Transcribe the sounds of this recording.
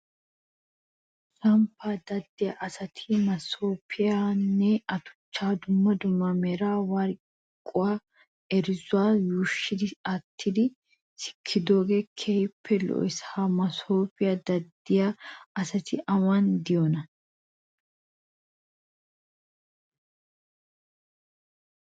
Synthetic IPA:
t̪ɾɐmpʰːaːd̪ɐd̪ːɪjaːʔɐsɐt̪ʰɪmɐsoːpʰɪjaːnːɛɐt̪ʊ̥t͡ʃːaːd̪ʊmːɐd̪ʊmːɐmɛɾaːwɐɾ | kʼːʊwaː | ɛɾɪzʊaːjuːʃːɪd̪ɪɐt̪ʰːɪd̪ɪ | sɪ̥kʰːɪd̪o̞ːɡekʰeːjɪpʰːɛlɔ̰ʔɪsamɐsoːpɪjad̪ɐd̪ːɪjaɐsɐt̪ʰɪʔɐwɐnd̪ɪjonɐ

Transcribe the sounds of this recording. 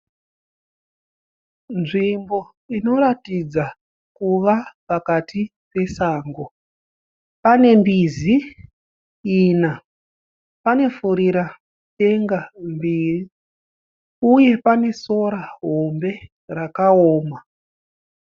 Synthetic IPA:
nʐimbo̞ | ino̞ɾatid͡za | kuʋapakati | pe̞saːŋɡo̞ | pane̞mbizi | na | pane̞fuɾiɾa | e̞ŋɡambiːri | uje̞pane̞so̞ɾaɦo̞mbe̞ | rakaoːma

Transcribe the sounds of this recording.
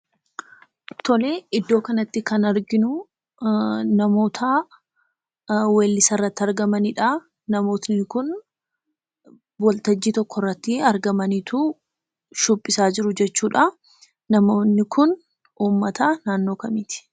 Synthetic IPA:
t̪ʰɔle̞ːɪd̪ːo̞ːkɐnɐt̪ːɪkɐnɐɾɡɪnʊ | nɐmo̞ːt̪ʰɐ | weːlːɪsɐrːɐt̪ːɐɾɡɐmɐniᶑa | nɐmo̞ːt̪nɪkʊn | wɔlt̪ɐd͡ʒːiːt̪ɔkːɔrːɐt̪ːɪɐɾɡɐmɐniːt̪u | ʃʊpʼːɪsaːd͡ʒɪɾʊd͡ʒɛt͡ʃːuːᶑɐ | nɐmoːnnɪkʰʊn | ʔuːmːɐt̪anaːnːo̞ːkɐmiːt̪ɪ̥

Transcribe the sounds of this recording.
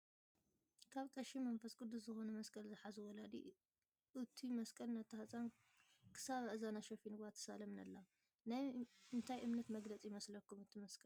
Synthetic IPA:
kʰaβt̪ʼɐʃimɐnfɐskʼɨd̪ːuszɨxo̞nɐmɐskʼɐlzɨħazuwɔlad̪ḭ | ʔɨt̪ʰimɐskʼɐlnɐt̪ʰːɐht͡sʼan | kʰɨ̥saβaʔɨzanaʃɐfinɨɡat̪ʰːɐ̥salɐmnɐlːa | najɨnt̪ʰajʔɨmnɐt̪mɐɡlɐt͡sʼijɪmɐslɐkːumɨt̪ʰːimɐskʼɐl

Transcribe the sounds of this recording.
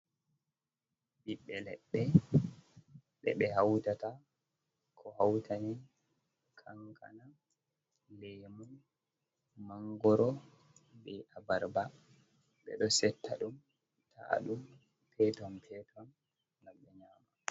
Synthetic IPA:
biɓːɛlɛɓːɛ | ɓɛ̰ɓɛhawtata | kʰɔhawtʰani | kʰaŋkʰa̰na | lemɔ | maŋɡɔɾɔ | bɛabaɾba | ɓɛ̰ɗɔsɛtːaɗum | tʰa̰ɗum | pɛtɔmpʰɛtʰɔn | ɡamɓɛɲaːma

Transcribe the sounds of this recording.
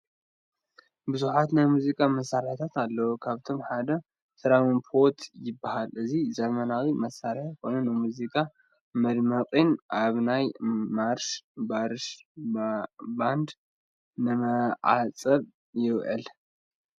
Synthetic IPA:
bɨzuħat̪najmuzikʼamɐsːaɾħt̪ʰat̪alːɐwokʰaβt̪ʰo̞mħad̪ɐ | sɨɾamonpʰo̞ɾt̪ʰjɪbːahalʔɨzizɐmɐnawimɐsaɾħkʰo̞nɐnːɨmuzikʼa | mɐɾmɐqʼinʔaβnajmaɾʃbaɾʃ | band̪ | nɨmɐʕa̰t͡sʼɐβ | jɪβʕɨ̰l

